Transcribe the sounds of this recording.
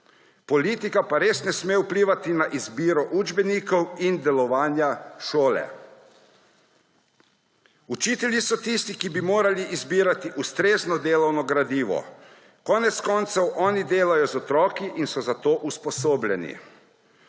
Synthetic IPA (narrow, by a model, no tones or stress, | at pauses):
pɔliːt̪ikapaɾeːsnɛsmeːupliːʋat̪inaʔizbiːɾɔʔuːd͡ʒbɛniːkɔwind̪ɛlɔʋaːnjaʃoːlɛ̰ | ut͡ʃiːt̪ɛljisɔt̪ist̪ikibimoːɾaliʔizbiːɾat̪iʔust̪ɾeːznɔd̪eːlɔwnɔɡɾad̪iːʋɔ̰ | kɔːnɛt̪skɔːnt̪sɔwʔɔːnid̪eːlajɔzɔt̪ɾɔːkiʔinsɔzat̪oːʔuspɔsoːblʲɛnḭ